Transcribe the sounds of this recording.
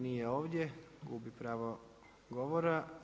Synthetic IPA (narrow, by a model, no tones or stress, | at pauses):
nijeoːʋdʲje | ɡuːbipɾaːʋo | ɡoʋoɾa